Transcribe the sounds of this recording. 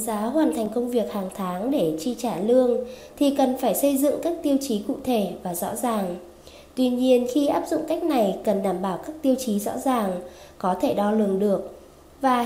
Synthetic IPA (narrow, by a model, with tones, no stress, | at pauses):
zaː˨˦ɦwaː˨˩nt̪ʰa˨˩jŋ̟kə˧wŋ͡mvi˨˩ək̚haː˨˩ŋt̪ʰaː˨˦ŋɗe˧˩t͡ɕi˧t͡ɕaː˧˩lɨ˧əŋt̪ʰi˨˩kə˨˩nfaː˧˩jsə˧jzɨ̰˧˨ŋkaː˦˥k̚t̪i˧əwt͡ɕi˨˦kṵ˧˨t̪ʰe˧˩vaː˨˩zɔ̰˧˥zaː˨˩ŋ | t̪wi˧ɲi˧ənxi˧ʔaː˦˥p̚zʊ̰˧˨ŋ͡mka˦˥jk̟̚na˨˩jkə˨˩nɗaː˧˩mɓaː˧˩wkaː˦˥k̚t̪i˧əwt͡ɕi˨˦zɔ̰˧˥zaː˨˩ŋ | kɔ˨˦t̪ʰe˧˩ɗɔ˧lɨ˨˩əŋɗɨ˨˩ək̚ | vaː˨˩